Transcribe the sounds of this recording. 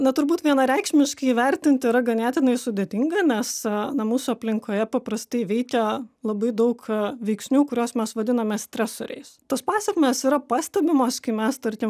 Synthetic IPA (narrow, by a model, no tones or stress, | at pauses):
nɐt̪ʊɾbuːt̪ʋʲiɛnɐɾʲɛɪkʃʲmʲɪʃkɐɪiʋʲɛɾʲt̪ʲɪnʲt̪ʲɪɪɾɐɡɐnʲæːt̪ʲɪnɐɪsʊd̪ʲeːt̪ʲɪŋɡɐnʲɛsnɐmuːsʊɐpʲlʲɪŋkoːjɛpɐpɾɐst̪ɐɪʋʲɛɪkʲɛlˠɐbɐɪd̪ɐʊkʋʲɛɪksʲnʲuːkʊɾʲoːsmʲɛsʋɐd̪ʲɪnɐmʲɛːsʲt̪ʲɾʲæsoɾʲɛ̰ɪst̪ɐspɑːsʲɛkʲmʲeːsiːɾɐpɑːsʲt̪ʲɛbʲɪmoːskɐɪmʲɛst̪ɐɾʲkʲɪm